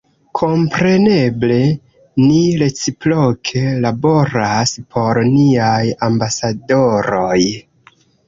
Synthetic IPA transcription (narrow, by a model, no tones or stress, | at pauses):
kʰo̞mpɾe̞ne̞ble̞ | niɾe̞t͡siplokʰe̞labo̞ɾaspʰo̞ɾniajambasado̞ɾoj